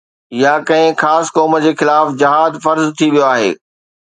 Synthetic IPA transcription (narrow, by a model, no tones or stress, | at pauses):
jakɐ̃ɦɪ̃xaːskɔːməd͡ʑeːxɪlaːfd͡ʑɪɦaːd̪fɐɾzt̪ʰiʋijoaːɦḛː